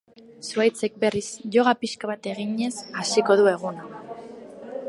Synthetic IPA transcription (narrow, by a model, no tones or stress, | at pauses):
suajt͡se̞k̚be̞risʝo̞ɣapiʃkaβat̪e̞ɣiɲe̞sasiko̞ðue̞ɣ̞una